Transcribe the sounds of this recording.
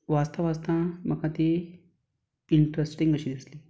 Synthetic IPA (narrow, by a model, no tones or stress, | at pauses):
ʋast̪əʋast̪ãm̤əkat̪e | iɳʈɾesʈiŋɡəɕid̪isle